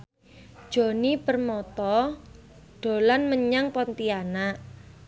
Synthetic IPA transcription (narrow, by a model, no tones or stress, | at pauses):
d̥ʒ̥o̤nipərmɔt̪ɔ | ɖ̥o̤lanməɲaŋpɔnt̪ianaʔ